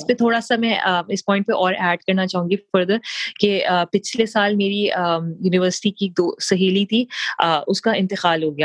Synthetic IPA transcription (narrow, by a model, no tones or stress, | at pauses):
ɪspet̪ʰoːɽasamɛ̃əɪspɔ̃ːɪ̃ɳʈ̚peʔɔːɾɛːɖ̚kɐɾnat͡ʃaːɦũŋɡifɐɾd̪əkeəpɪt͡ʃʰlesaːlmeːɾiəjuːnɪʋəɾsɪ̥ʈikik̚d̪oːsɐɦiːlit̪ʰiəʊskaɪ̃nt̪ɪqaːlɦoːɡɐjaː